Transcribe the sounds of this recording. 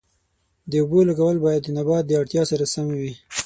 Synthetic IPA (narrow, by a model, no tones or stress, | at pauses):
d̪əʊbolaɡawəlbɑjad̪ːənabɑt̪̚d̪əaɽt̪jɑsaɾasamwi